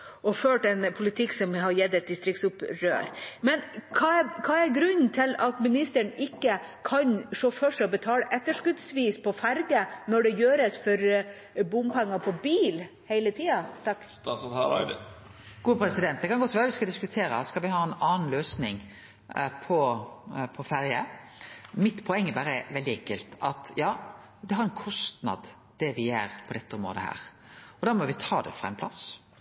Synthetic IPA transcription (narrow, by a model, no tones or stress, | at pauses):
ɔføːʈɛnpʰʊlɪt̪ʰɪkːsɔmɦɑɾjɛd̪ɛt̪̚d̪ɪst̪ɾɪktsʊpɾø̰ːɾmɛnkʰɑːkʰɑːæɾɡɾʉnn̩t̪ʰɪlɑt̪mɪnɪst̪əɳɪkːə | kʰɑnʂoːfœʂɛɔbət̪ʰɑːləʔɛt̪ːəʂkʉd̪sʋiːspʰɔfæɾɡənɔɖɛjøːɾəsfɔɾ | bʊmpɛŋːɑpʰɔbiːl | hɛɪlət̪ʰiːɑt̪ʰɑkː | ɡ̥uːəpʰɾɛsɪd̪ɛnt̪̚d̪ɛkʰɑnɡɔt̪ːʋæːɾəʋɪskɑld̪ɪskʉt̪ʰeːɾə̰skɑlʋɪhɑːɛnɑːn̩løːsnɪŋ | pʰɔ | pʰɔfæɾjə | mɪt̪ːpʰɔɛŋːɛbæːɾəʋɛld̪ɪɛŋkəlt̪ɑt̪jɑː | d̪ɛɦɑɾɛnkʰɔst̪nɑ̰d̪ | d̪̥ɛʋɪæɾpʰɔd̪ɛt̪ːəʊmɾo̰ːd̪əhæ̰ːɾ | ɔd̪ɑːɾmɔʋɪt̪ʰɑːd̪ɛ̰fɾɑ̰ɛ̰npʰlɑs